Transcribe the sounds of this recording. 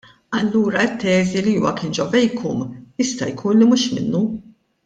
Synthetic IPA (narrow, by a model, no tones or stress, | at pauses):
ɐlːuːɾɐɪt̪ːɛːziliuːwɐ̰kɪnd͡ʒɔvɛjkʰɔmjɪst̪ɐjkʰuːnlimuʃmɪ̰nːu